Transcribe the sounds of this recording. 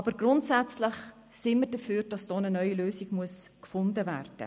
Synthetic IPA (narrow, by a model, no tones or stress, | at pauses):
ɑbəɾɡrʊntsɛt͡slɪχ | sɪnmərdəfyːɾd̥ɑsd̥oːnənœʏiløːsiɡ̥muəskfʊndəvæ̰rd̥ə̰